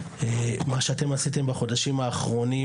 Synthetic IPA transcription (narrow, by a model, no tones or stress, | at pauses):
emaʃeate̞masit̪e̞mbaχo̞daʃimaːχʁo̞ni